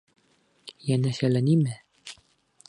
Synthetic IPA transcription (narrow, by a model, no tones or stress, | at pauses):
jænæʃælænimɘ